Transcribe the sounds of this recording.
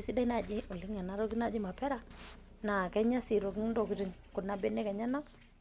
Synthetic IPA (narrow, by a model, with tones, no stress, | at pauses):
si˦dɛ˦na˨d͡ʒɪ˦ʊ˨lɪ˦ŋɛ˨na˨˦ɾo˦kɪ˦na˨d͡ʒɪ˦ma˨pɛ˦ɾa˦ | na˨kɛ˦ɲa˦si˨ɾo˨kɪ˦ŋndo˨ki˨ɾɪ˨ŋkʊ˨na˦be˦ne˦kɛ˨ɲa˦na˦